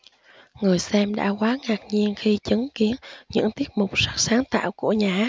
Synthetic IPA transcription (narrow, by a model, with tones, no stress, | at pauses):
ŋɨ˨˩əjsɛ˧mɗa̰ː˧˥kwaː˨˦ŋaː˨˩k̚ɲi˧ənxi˧t͡ɕɨ˨˦ŋki˨˦ənɲɨ̰˧˥ŋt̪i˦˥ət̚mʊ˨˩k͡p̚sa˦˥k̚saː˨˦ŋt̪a̰ː˧˨wku˧˩əɲaː˨˩˦